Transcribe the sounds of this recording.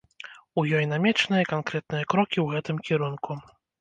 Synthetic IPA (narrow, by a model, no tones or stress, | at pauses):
ujɔjnamʲɛt͡ʂnɨjɐkankɾɛt̪̚nɨjɐkɾɔkʲiwɣɛt̪ɨmkʲiɾunku